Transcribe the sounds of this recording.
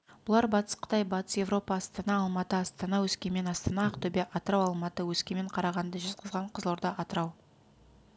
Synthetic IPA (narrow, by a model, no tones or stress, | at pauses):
b̥ʊlˠɑɾbɑt̪ə̥sqʰə̥t̪ɑjbɑt̪ə̥sje̞vɾo̞pɑːst̪ɑnɑːlˠmɑt̪əɑst̪ɑnɑwɵskʲeme̞nɑst̪ɑnɑɑqt̪ʰɵbe̞ʔɑt̪əɾɑwɑlˠmɑt̪əwɵskʲeme̞ɴqʰɑɾɑʁɑnd̪əʒʏzqʰəzʁɑɴqʰəzlˠoɾd̪ɑʔɑt̪əɾɑw